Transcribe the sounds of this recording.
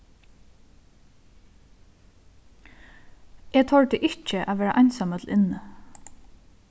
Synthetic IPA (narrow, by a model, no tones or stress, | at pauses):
ɛːt̪ʰɔɹt̪ɪʔɪht͡ʃəʔaʋɛːɾaʔajnsamət̪ʰl̩ʔɪnːə